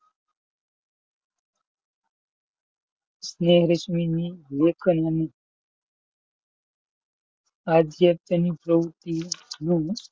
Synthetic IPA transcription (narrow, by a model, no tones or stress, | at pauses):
sneɦɾəɕminilekʰənjane | ad̪jək̚t̪ənipɾəwt̪inũ